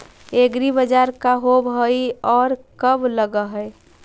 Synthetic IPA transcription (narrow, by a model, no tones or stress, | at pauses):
eɡɾibəd͡ʒaɾkaɦobɦəiɔːɾkəbləɡəɦəe